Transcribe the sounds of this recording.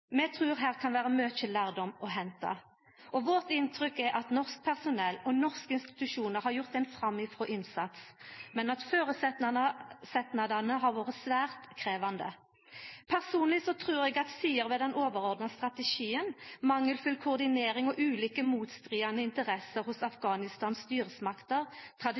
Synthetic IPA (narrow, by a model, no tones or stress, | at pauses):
mɛt̪ʰʁʉːɾɦæːʁkʰɑnʋæːʁəmøːt͡ʃəlæːʁd̪ɔmɔɦɛnt̪ɑ̰ | ɔʋɔʁt̪ɪnt̪ʰʁʏkːɛʔɑt̪nɔʁsk̚pʰæʁsʊnɛlːɔnɔʁskəɪnst̪ɪ̥t̪ʉʂuːnəɾhɑɾjʊʁt̪ɛnfʁɑmːɪfʁɔːʔɪnsɑt̪smɛnɑt̪føːɾəsɛt̪ɑsɛt̪nɑd̪ɑnəɦɑɾʋoːʁət̪sʋæːʁt̪kʰʁeːʋɑnd̪ə̰ | pʰæʁsuːnlɪsɔt̪ʰʁuːɾɛɡɑt̪siːəɾʋɛd̪ɛnʔoːʋəʁɔʁd̪nɑst̪ʁɑt̪ɛʃiːənmɑŋːəlfʉlkʰʊːʁd̪ɪneːɾɪŋɔʔʉːliːkəmuːt̪st̪ʁiːɑnəɪnt̪əʁɛsəɾhʊsɑfɡɑːnɪst̪ɑːnsst̪yːʁəsmɑkt̪əʁt̪ʰʁɑd̪